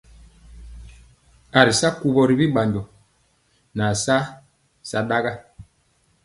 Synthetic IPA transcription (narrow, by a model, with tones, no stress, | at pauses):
a˨ɾi˨sa˦ku˨βɔ˨ɾi˨βi˦ɓa˨ɲd͡ʒɔ˨ | na˨sa˦ | sa˨ɗa˦ɣa˦